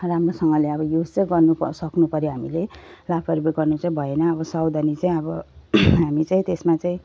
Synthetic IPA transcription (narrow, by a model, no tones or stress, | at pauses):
ramrosʌŋɡʌleʌbʌjud͡zt͡saĩɡʌrnupsʌknupʌɾjiɦamilelapʰʌɾbeɡʌrnut͡saĩbʱʌenʌːbʌsawd̪ʱʌnit͡saĩʌbʌɦamit͡saĩt̪esmat͡saĩ